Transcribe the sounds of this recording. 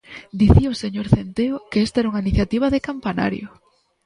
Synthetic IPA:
d̪iθioseɲoɾθent̪eʊkeest̪aɛɾuŋɐiniθjat̪iβ̞ɐðekampana̰ɾjʊ̰

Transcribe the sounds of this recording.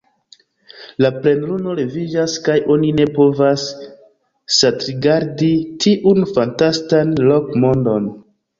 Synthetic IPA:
laple̞nluno̞le̞vid͡ʒaskajʔo̞nine̞po̞vasː | atɾiɡaɾditʰiʔunfantastanlo̞kmo̞ndo̞n

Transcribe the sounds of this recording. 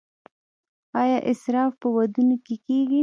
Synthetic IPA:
ɑjɑʔɪsɾɑfpəwad̪unokekeɡi

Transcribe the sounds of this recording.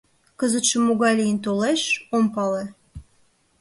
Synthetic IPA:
kəzət̪ʃə̆mːuɣɑjlijənt̪̬oleʃompɑle

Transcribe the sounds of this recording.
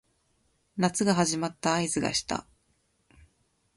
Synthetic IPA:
nat͡sɨɡaɦaʑimat̪ːaːizɨɡa̰ɕi̥t̪a̰

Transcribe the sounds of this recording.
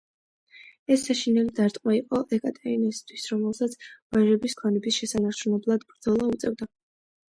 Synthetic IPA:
ɛsːaʃinɛlid̪aɾt̪ʼqʼmaiqʼɔʔɛkʼat̪ʼɛinist̪ʰwisɾɔmɛlˠsat̪sʰb̥aʒɛbiskʰanɛbisʃɛsanaɾt͡ʃʰunɛblˠad̪bɾd̪zɔlˠaut̪sʼɛvd̪a

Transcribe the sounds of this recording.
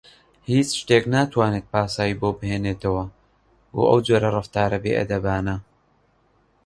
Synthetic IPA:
hiːt͡ʃʃt̪eknaːt̪ʰwaːnet̪̚paːsaːjiboːbɨheːneːt̪ʰɐwɐ | o̰ʔɐ̰wd͡ʒoːɾɐrɨft̪aːɾɐbeːʔɐ̰d̪ɐbaːnɐ

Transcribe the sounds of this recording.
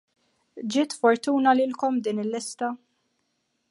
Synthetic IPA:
d͡ʒɪːt̪fɔɾt̪uːnɐlɪlkɔmd̪iːnɪlːɪst̪ɐ

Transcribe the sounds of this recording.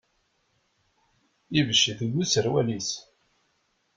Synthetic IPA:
ivəʃːiðəɡusəɾwælis

